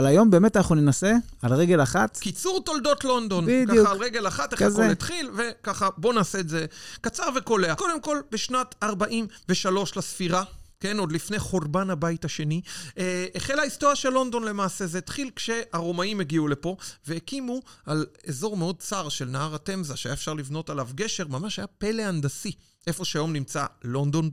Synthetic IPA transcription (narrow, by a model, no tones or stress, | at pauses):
alajo̞mbe̞ːmet̪anaχnunenase̞alʁeɡe̞laχat̪kit͡suʁt̪old̪o̞tlo̞nd̪o̞nbidkajualʁeɡe̞laχat̪eχazet̪χilve̞kaχabo̞naːse̞ːdze̞kat͡saʁve̞ko̞le̞ako̞de̞mko̞lbeʃnataʁbaʔimve̞ʃalo̞ʃlasfiʁake̞no̞d̪lifnejχoʁbanhabaithaʃe̞niʔeχelaist̪oʁjaʃelːo̞nd̪o̞nle̞maːse̞zet̪χilkʃe̞aʁo̞maimeɡiule̞po̞ve̞ekimualezo̞ʁmeo̞d̪̚t͡saʁʃelnahaʁat̪e̞mzaʃeajaefʃaʁlivno̞talavɡe̞ʃe̞ʁmamaʃhajape̞leand̪asi | ʔe̞fo̞ʃeajo̞mnimt͡sa̰lo̞nd̪o̞n